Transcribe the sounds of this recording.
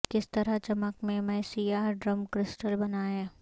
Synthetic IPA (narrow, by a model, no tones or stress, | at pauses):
kɪst̪ɐɾaɦt͡ʃɐməkmẽmɛːsijaːɾɖɾəmkɾɪsʈəlbɐnaːẽː